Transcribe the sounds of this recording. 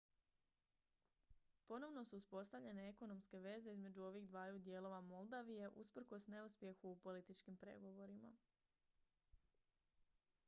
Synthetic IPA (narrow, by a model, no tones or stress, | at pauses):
po̞no̞ʋno̞suːuspo̞st̪aʋʎe̞ne̞eko̞no̞mske̞ʋe̞ze̞izme̞d͡ʑuo̞ʋiɣd̪ʋaːjud̪je̞lˠo̞ʋamo̞lˠd̪aʋije̞ʔuspr̩ko̞sne̞uspje̞xuːpo̞lit̪it͡ʃkimpɾe̞̰ɡo̞ʋo̞ɾima̰